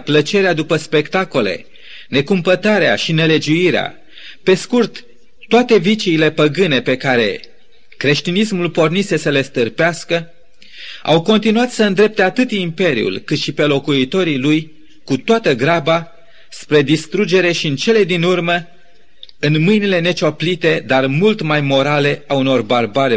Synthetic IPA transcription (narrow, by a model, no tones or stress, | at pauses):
plət͡ʃe̞ɾead̪upəspe̞kt̪ako̞le̞̰ | ne̞kumpət̪aɾea̰ʃine̞le̞d͡ʒuiɾea̰ | pe̞skurt̪ː | oat̪e̞vit͡ʃiːle̞pəɡɨne̞pe̞kaɾe̞̰ | kɾe̞ʃt̪inismulpo̞rnise̞səle̞st̪ɨrpeaskə | a̰wko̞nt̪inuat̪səɨnd̪ɾe̞p̚t̪e̞at̪ɨt̪impe̞ɾḭṵlkɨt̪ʃipe̞lo̞kuit̪o̞ɾiluj | kut̪oat̪əɡɾaba | spɾe̞d̪ist̪ɾud͡ʒe̞ɾe̞ʃiɨnt͡ʃe̞le̞d̪inurmə | ɨnmɨjnile̞ne̞t͡ʃoplit̪e̞d̪armult̪majmo̞ɾale̞auno̞rbarbaɾe